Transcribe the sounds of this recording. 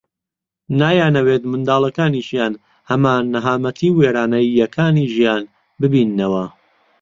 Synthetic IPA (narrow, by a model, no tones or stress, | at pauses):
naːjaːnɐweːt̪mɨnd̪aːlˠɐkaːniːʃjaːn | hɐmaːnːɐɦaːmɐt̪ʰiːweːɾaːnɐjːɐkʰaːniːʒijaːn | bɨbiːnːɐwɐ